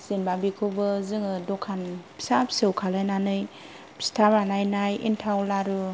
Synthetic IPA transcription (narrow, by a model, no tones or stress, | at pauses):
z̥enbabikʰɯbɯzɯŋɯdɔkʰanpʰi̥sapʰsɯwkʰalɯjnanɯjʰ | stʰaɾanajnajḭntʰawlaɾɯ